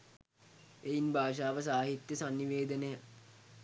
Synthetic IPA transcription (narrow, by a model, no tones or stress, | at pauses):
ejinbʱaːʃ̬aːʋəs̬aːɦit̪jəsanːiʋeːd̪ənəjə